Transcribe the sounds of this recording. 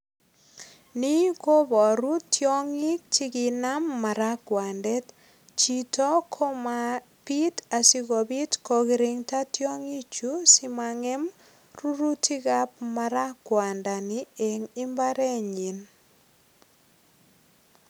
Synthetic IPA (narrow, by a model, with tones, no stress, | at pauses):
ni˦ko˦bɔ˨ɾu˦tjɔ˦ŋi˦k̚ti˦ki˨na˦mːa˨ɾa˦kwa˨ndɛ˦t | t͡ʃitɔ˦kʰɔ˦ma˨ | pi˦ta˨si˦ɡɔ˨bi˦tko˨ɣiɾɪ˨ŋta˦tjɔ˦ŋi˦t͡ʃu˦sɪ˦maŋɛ˦m | ɾu˦ɾu˦tʰi˦ɡa˦p̚ma˨ɾa˦kwa˨nda˨nie˨ŋɪ˦mba˦ɾɛ˦ɲi˨n